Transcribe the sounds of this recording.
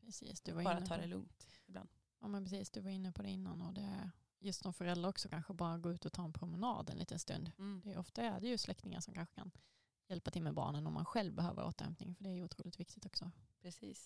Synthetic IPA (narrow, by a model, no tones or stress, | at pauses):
pʰɾɛsḭːsd̪ɵvaɾɪnːɾat̪ːʰɑːd̪ɛlɵ̰ŋt̪ɪbla̰nd̪ | jɑːmɛnpɾɛsiːsd̪ɵvaɾɪnːəpʰɔd̪ɛɪnːa̰nɔd̪ɛæɾ | jɵst̪sɔmfœɾɛld̪ɾaɾɔksɔkʰanɧəbɑːɾaɡoːʉːt̪ɔt̪ʰɑːɛnpʰɾʊmɛnɑ̰ːd̪ɛnḭːt̪ənst̪ɵ̰nd̪d̥̪ɛʔɔft̪aæɖɛjɵslɛkt̪ɪŋa̰ʂɔmkʰanɧə̥kʰa̰n | jɛlpat̪ʰɪlmɛbɑ̰ːɳənɔmːa̰nɧɛlvbɛɦøːvə̰ʔo̰ːt̪əɾhɛ̰mpnɪ̰ŋfœɖɛːɾjuːt̪ʰɾuːlɪt̪vɪk̚t̪ɪ̥t̪ɔksɔpʰɾɛsiːs